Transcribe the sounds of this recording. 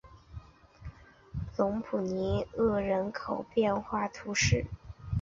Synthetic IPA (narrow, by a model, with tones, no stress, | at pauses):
lʊ˧˥ŋpʰu˨˩ni˧˥ɤ˥˩ɻə˧˥nkʰo˨˩ʊpjɛ˥˧nxwa˥˩t̪ʰu˧˥ʂɻ̩˥˩